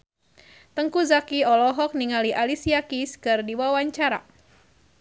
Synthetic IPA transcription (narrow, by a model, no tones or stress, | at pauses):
t̪əŋkuzakiɔlɔɦɔk̚niŋaliʔalisiakiskɨrdiwawaɲt͡ʃaɾa̰